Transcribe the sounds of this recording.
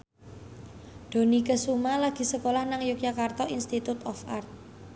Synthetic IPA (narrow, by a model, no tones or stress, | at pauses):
d̪̥o̤nikəsumalaɡ̥i̤səkolahnaŋjukjakart̪ɔinst̪it̪ut̪ɔfart̪̚